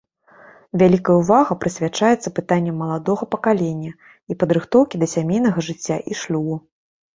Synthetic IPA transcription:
vʲalʲikɐjɐuvaɣɐpɾɨsʲvʲat͡ʂajɛt̪sːɐpɨt̪anʲːɛmːɐlˠad̪ɔɣɐpɐkalʲenʲːɐ | ipɐd̪ɾɨxt̪ɔwkʲid̪ɐsʲamʲejn̪ɐɣɐʐɨt͡sʲːaʔiʂlʲubu

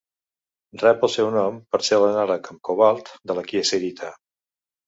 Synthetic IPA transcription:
drɛpəlˠsɛwnɔmpəɾselənaləkəmkoβalˠt̪d̪ələkiəseɾit̪ʰa

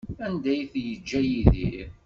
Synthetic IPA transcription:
ænd̪æjθjəd͡ʒːæjiðḭ

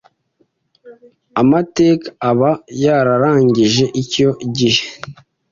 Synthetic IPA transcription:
amateːkḁːβajaɾaɾaːɲɟiʒe̞ʔico̞ɟihe

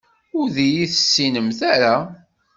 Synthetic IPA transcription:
ʊɾðijiθəsːinəmθaɾa

